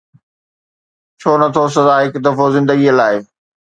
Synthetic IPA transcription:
t͡ɕʰoːnɐt̪ʰos̬ɐzaːɦɪkd̪ɐfozɪ̃nd̪əɡiəlaːɪ

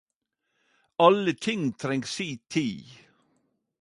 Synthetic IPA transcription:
ɑlət̪ʰɪŋt̪ʰɾɛŋsiːt̪ʰiː

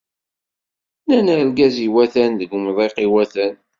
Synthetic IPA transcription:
nænælɡæziwæθænðəɡmðˤeqiwæθæn

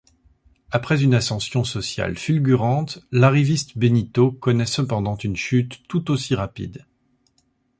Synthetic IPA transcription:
apχɛzynasɑ̃sjɔ̃sɔsja̰lfylɡʲyʁɑ̃t̪laʁivist̪benit̪okɔnɛsəpɑ̃d̪ɑ̃t̪ynʃyt̪ːut̪osiʁapḭd̪

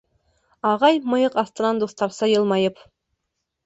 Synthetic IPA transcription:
ɑʁɑjmɤ̆jɤqɑst̪ɤ̆nɑnd̪ost̪ɑɾsɑjɤlˠmɑjɤp

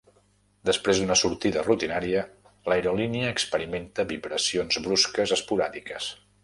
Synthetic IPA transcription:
d̪əspɾezðunəsuɾt̪iðərut̪inaɾiə | lajɾoliniəːkspəɾiment̪əβiβɾəsionzβɾuskəzəspuɾaðikəs

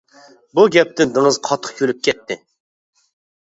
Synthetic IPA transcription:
buɡʲɛp̚t̪ɪnd̪ɨŋɨzqʰɑt̪ʰːə̥χkʲʰølyp̚kʲʰɛt̪ʰːɪ

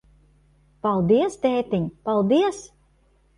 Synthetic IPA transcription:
palˠd̪iɛst̪ɛːt̪iɲpalˠd̪iɛs

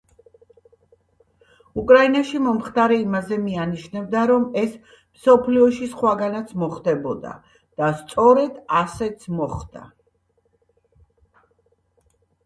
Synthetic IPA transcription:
ukʼɾainaʃimɔmχt̪ʰʼaɾɛimazɛmianiʃnɛbd̪aɾɔmɛs | msɔpʰliɔʃisχwaɡanat̪sʰmɔχd̪ɛbɔd̪a̰ | d̪̥ast̪sʼɔɾɛd̪asɛt̪sʰmɔχd̪a̰

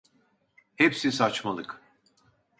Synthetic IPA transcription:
hepsisat͡ʃmalˠɯk

